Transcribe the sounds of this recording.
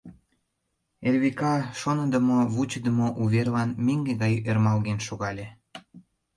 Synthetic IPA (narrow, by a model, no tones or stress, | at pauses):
erβekɑʃonəd̪ə̆moβut͡ɕəd̪əmoʔuβerlɑnmeŋɡeɣɑjermɑlɣenʃoɣɑlʲe